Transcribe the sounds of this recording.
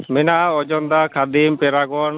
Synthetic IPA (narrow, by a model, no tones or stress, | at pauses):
mɛnaɔd͡ʒɔnd̪akʰad̪impɛɾakɔn